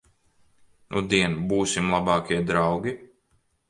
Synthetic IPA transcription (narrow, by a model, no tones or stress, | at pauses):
ʔud̪iɛnbuːsimlˠabɑːkʲiɛd̪ɾawɡʲi